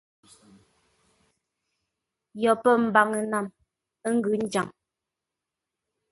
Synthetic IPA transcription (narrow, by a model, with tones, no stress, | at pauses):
jɔ˨pə˦m̩˨ba˨ŋə˨na˨m | ə˦ŋ̩˦ɡʉ˨˦n̩˦d͡ʒa̰˨ŋ